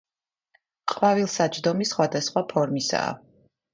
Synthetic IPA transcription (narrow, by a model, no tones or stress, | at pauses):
qʼvavilˠsat͡ʃʰd̪ɔmisχwad̪asχwapʰɔɾmisa̰ː